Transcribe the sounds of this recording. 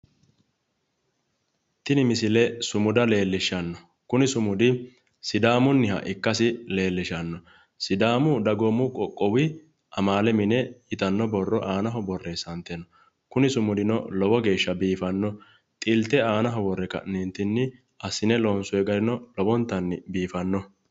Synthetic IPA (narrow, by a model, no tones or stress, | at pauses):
t̪ɪnɪmɪsɪlɛsʊmʊd̪ɐle̞ːlːɪʃɐnːɔ | kʊnɪsʊmʊd̪ɪ | sɪd̪aːmʊnːɪɦɐ̰ʔɪkːɐsɪle̞ːlːɪʃɐnːɔ | sɪd̪aːmʊd̪ɐɡɔmːʊkʼɔkʼːɔwɪ | ʔɐmaːlɛmɪnɛɪt̪ɐnːɔbɔrːɔʔaːnɐɦɔbɔrːɛsɐnt̪ɛnɔ | kʊnɪsʊmʊd̪ɪnɔ̰lɔwɔɡe̞ːʃːɐbiːfɐnːɔ | t̪ʼɪlt̪ɛaːnɐɦɔbɔrːɛkɐ̰nɛnt̪ɪnːɪ | ʔɐsːɪnɛlɔːnsʊɛɡɐɾɪnɔlɔbɔnt̪ːɐnːɪ̰biːfɐnːɔ